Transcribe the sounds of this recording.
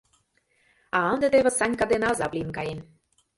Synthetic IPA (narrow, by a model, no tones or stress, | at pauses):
ɑɑnd̪ĕd̪eβə̆sɑnʲkɑd̪enɑzɑplʲimkɑjen